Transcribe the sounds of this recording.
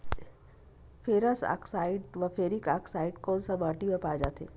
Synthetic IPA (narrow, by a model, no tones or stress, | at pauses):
pʰeːɾəsa̰ksaːɪɖʋɐpʰeːɾikaksaːɪɖkɔːnsabaːʈimepaːd͡ʒaːt̪ʰeː